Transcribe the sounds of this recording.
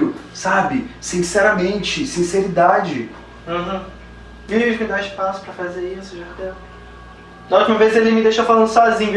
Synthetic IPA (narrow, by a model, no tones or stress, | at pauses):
ʊsabɪsĩsɛɾɐmẽnt͡ʃɪsĩseɾid̪ad͡ʒɪ̃ | ɦ̩ | eʒmɪd̪aɪʃpasʊ̥pɾɐfazeisʊʒat̪e | nɐut͡ʃimɐvezelɪmɪd̪ejʃɐfalɐ̃nd̪ʊsɔzĩɲʊ